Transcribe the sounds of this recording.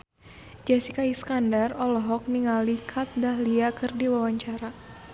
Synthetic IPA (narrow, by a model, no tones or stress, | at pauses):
d͡ʒasikaiskandarɔlɔɦɔk̚niŋalikʰat̪̚daɦliakɨrdiwawaɲt͡ʃaɾa